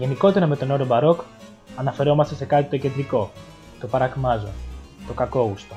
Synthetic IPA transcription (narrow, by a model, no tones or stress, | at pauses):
ʝe̞niko̞t̪e̞ɾɐme̞t̪o̞no̞ɾobɐɾo̞k | ɐnɐfe̞ɾo̞mɐst̪esekɐt̪it̪o̞ced̪ɾiko̞ | t̪o̞pɐɾɐkmɐzo̰t̪o̞kɐko̞ɣust̪o